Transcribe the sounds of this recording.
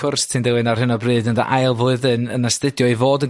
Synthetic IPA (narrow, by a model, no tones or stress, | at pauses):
ʊrstʰindɪwɨnarhɪnɔbriɨːdənda̰ʔajlˠvʊɨðɨnənastɪdjɔivoːdən